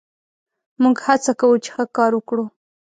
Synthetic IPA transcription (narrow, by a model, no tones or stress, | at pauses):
muɡhat͡sakawut͡ʃe̥xəkɑɾwəkɽu